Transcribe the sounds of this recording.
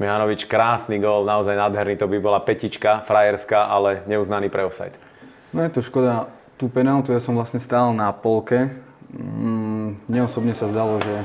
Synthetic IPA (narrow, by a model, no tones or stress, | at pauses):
mɛɦanɔʋit͡ʃkɾaːsniːɡɔlnaɔzajnaːd̪ɦɛɾniːt̪ɔbibɔlapɛcit͡ʃkafɾajɛɾskaʔalɛɲɛuznaniːpɾɛɔsa̰jt̪ | nɔjɛt̪ɔʃkɔd̪a | t̪upɛnalt̪ujasɔ̃mʋlasɲɛst̪aːlnapɔlkɛ | ɲɛɔsɔbɲɛsazd̪alɔʒɛ